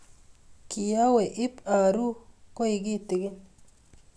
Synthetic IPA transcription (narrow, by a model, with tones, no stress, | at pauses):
ki˨ja˦we˨ʔɪ˦pa˨ɾu˦ko˦i˨ɡi˦tɪ˨ɡɪ˦n